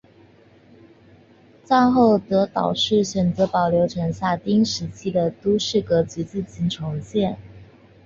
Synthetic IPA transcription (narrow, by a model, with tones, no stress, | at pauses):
t͡sɑ˥˧ŋxo˥˩ʊt̪ɤ˧˥t̪ɑ̰˨˩ʊʂɻ̩˥˩ɕɥɛ˨˩nt͡sɤ˧˥pɑ˨˩ʊljo˧˥ʊʈ͡ʂʰɤ˧˥ŋɕja˥˩t̪i˥ŋʂɻ̩˧˥t͡ɕʰi˥d̪ə˨t̪u˥ʂɻ̩˥˩kɤ˧˥t͡ɕy˧˥t͡sɹ̩˥˩t͡ɕi˧˥˩nʈ͡ʂʰʊ˧˥ŋt͡ɕjɛ˥˩n